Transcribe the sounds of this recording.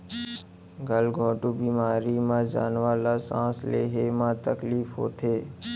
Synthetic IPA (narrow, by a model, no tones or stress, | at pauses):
ɡəlɡʱõːʈuːbiːmaːɾiːmãd͡ʒa̰ːnʋaːlaːsãːslḛːɦemãt̪əkliːfɦo̰ːt̪ʰeː